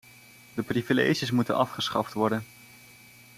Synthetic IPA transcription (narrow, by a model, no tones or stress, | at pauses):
dəprivilḛjʒəs̬mutənɑfχəsχɑftʋɔɹdən